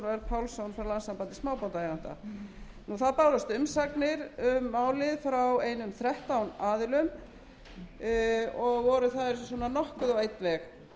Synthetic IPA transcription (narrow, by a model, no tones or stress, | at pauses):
nvɛlpʰawlsownfɾawlansampant̪ɪsmaːwpant̪ajant̪a̰ | nuθaðpaːwlast̪ʏmsaknɪɾʏmːaːwlɪðfɾaweːjnʏmθɾɛht̪awnaːðɪlʏm | ɔɣvɔɾʏθaðɛɾssɔːnanɔhkʏðawejt̪lɛx